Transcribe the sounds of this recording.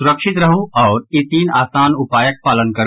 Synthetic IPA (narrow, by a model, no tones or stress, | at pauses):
sʊɾəkʃɪt̪ɾɐɦũɔːɾit̪iːnaːsaːnʊpaːjək̚paːlənkɐɾ